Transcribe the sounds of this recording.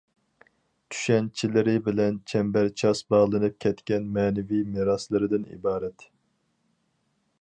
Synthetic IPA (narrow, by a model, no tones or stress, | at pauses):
t̪ʰy̥ʃɛnt͡ʃʰilɪɾɪbɪlɛnt͡ʃʰɛmbæɾt͡ʃʰɑsbɑʁlˠɨnɨp̚kʲʰɛt̪kʲɛnmɛːnɪvijmeɾɑslˠɨɾɨd̪ɪnḭbɑːɾɛt̪